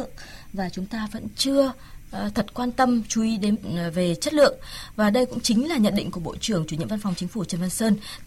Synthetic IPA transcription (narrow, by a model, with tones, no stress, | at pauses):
ə˨ŋvaː˨˩t͡ɕʊ˨˦ŋ͡mt̪aː˧və̰˧˥nt͡ɕɨ˧ə | t̪ʰə˨˩t̚kwaː˧nt̪ə˧mt͡ɕu˨˦ʔi˨˦ɗe˨˦nve˨˩t͡ɕə˦˥t̚lɨ̰˧˨əŋvaː˨˩ɗə˧jkʊ̰˧˥ŋ͡mt͡ɕï˨˦ŋ̟laː˨˩ɲə̰˧˨nɗḭ˧ŋ̟ku˧˩əɓo̰˧˨t͡ɕɨ˧˩əŋt͡ɕu˧˩ɲḭ˧˨ə˨va˧nfa˨˩wŋ͡mt͡ɕï˨˦ŋ̟fu˧˩t͡ɕə˧nva˧nsəː˧n